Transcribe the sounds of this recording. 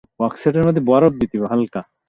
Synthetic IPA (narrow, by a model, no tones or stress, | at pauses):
wakseʈ̬eɾmad̪ʱːeboaɾot̪̚d̪it̪ibɦalka